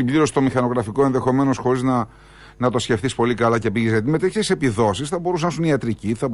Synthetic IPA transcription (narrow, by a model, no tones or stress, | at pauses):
ibliɾo̞si̥t̪omixɐno̞ɣɾɐfiko̞e̞nðe̞xo̞me̞no̞sxo̞ɾiznɐ | nɐt̪o̞sce̞fθispo̞likɐlɐce̞piʝizʝɐt̪̬ime̞t̪eçetise̞piðo̞sisθɐbo̞ɾus̬ɐnɐsuniɐt̪ɾiciθɐ